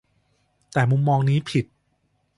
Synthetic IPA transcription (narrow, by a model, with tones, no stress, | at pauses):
t̪ɛː˨˩mu˧mːɔː˧ŋniː˦˥pʰi˨˩t̪̚